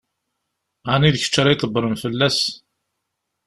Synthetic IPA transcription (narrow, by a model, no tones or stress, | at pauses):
aniðəçə̥t͡ʃːɾˤijt̪ˤəbːəɾˤəmfəlːæs